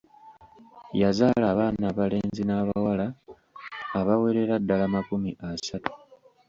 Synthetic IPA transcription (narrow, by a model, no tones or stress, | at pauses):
jazaːlaːβaːnaːβale̞ːnzinaːβawalaː | βawe̞ɾe̞ɾadːalamakumiʔasatu̥